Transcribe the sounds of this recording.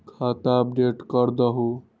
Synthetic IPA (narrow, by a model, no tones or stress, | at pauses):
kʰat̪aəp̚ɖeʈkəɾd̪əɦu